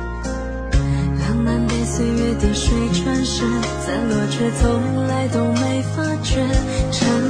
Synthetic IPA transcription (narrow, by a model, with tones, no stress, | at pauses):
lɑ˧˥ŋna˧˥npe˥˧ɪse˥ɪɥɛ˥˧t̪i˨˩ʂwe˥ɪʈ͡ʂʰwa˥nʂ̩˧˥ | t͡sa˧˩ɪlwɔ˨˩t͡ɕʰɥɛ˥t͡sʰo˧˥la˧˥ɪt̪o˨˩ʊme˥˩ɪfa˥t͡ɕʰɥɛ˧˥ | ʈ͡ʂʰə˧˥